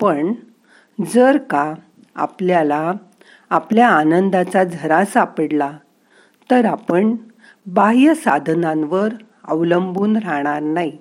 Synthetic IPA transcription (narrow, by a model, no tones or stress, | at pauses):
pəɳ | d͡zəɾka | a̰pljala | apljaːnənd̪at͡sad͡zʱəɾãsapəɽla | t̪əɾapəɳ | baɦijəsad̪ʱnãnʋəɾ | ə̰ʋləmbuːnɾaɳ̃aɾnaɦi